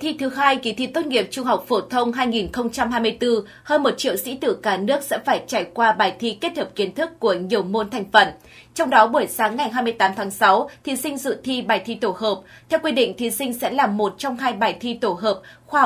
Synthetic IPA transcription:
t̪ʰi˧t̪ʰɨ˨˦ɦaː˧jki˨˦t̪ʰi˧˥t̪o˦˥t̚ŋi˨˩əp̚t͡ɕʊ˧ŋ͡mɦa˨˩wk͡p̚fo˧˩t̪ʰə˧wŋ͡mɦaː˧jŋi˨˩nxə˧wŋ͡mt͡ɕa˧mɦaː˧jmɨ˧ə˧jt̪ɨ˧ | həː˧nmo˨˩t̚t͡ɕḭ˧˨əwsḭ˧˥t̪ɨ˧˩kaː˧˩nɨ˦˥ək̚sɛ̰˧˥faː˧˩jt͡ɕaː˧˩jkwaː˧ɓaː˨˩jt̪ʰi˧ke˦˥t̚həː˨˩p̚ki˨˦ənt̪ʰɨ˦˥kːu˧˩əɲi˨˩əwmo˧nt̪ʰɛ˨˩jŋ̟fə˧˩n | t͡ɕɔ˧wŋ͡mɗɔ˨˦ɓu˧˩əjsaː˨˦ŋːa˨˩jɦaː˧jmɨ˧əjt̪aː˨˦mt̪ʰaː˨˦ŋsa˨˦wt̪ʰi˨˦sï˧ŋ̟zɨ̰˧˨t̪ʰi˧ɓaː˨˩jt̪ʰi˧t̪o˧˩ɦəː˨˩p̚t̪ʰɛ˧wkwi˧ɗḭ̈˧˨ŋ̟t̪ʰi˨˦sï˧ŋ̟sɛ̰˧˥laː˨˩mo˨˩t̚t͡ɕɔ˧wŋ͡mɦaː˧jɓaː˨˩jt̪ʰi˧t̪o˧˩ɦəː˨˩p̚xwaː˧˩

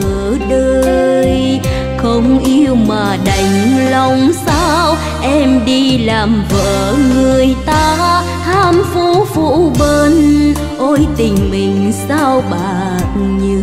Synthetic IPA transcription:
ə˨˦ɗəː˧j | xə˧wŋ͡mʔi˧əwmaː˨˩ɗa˨˩jŋ̟la˧wŋ͡msaː˧w | ʔɛ˧mɗi˧laː˨˩mvə̰ː˧˨ŋɨ˨˩əjt̪aː˧ | haː˧mfu˧˥fṵ˧˥ɓeː˧n | ʔo˧jt̪ï˨˩ŋ̟mï˨˩ŋ̟saː˧wɓaː˨t̚ɲɨ˧˩

